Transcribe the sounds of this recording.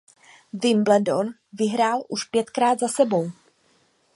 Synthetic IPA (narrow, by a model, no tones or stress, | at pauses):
vɪmblɛdon | vɪɦɾaːlʔuʃpjɛt̪kɾaːd̪zasɛbo̞w